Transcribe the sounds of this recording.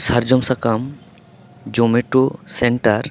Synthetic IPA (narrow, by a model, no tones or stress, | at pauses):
sɐɾd͡ʒɔmsakam | d͡ʒomeʈuseɳʈaɾ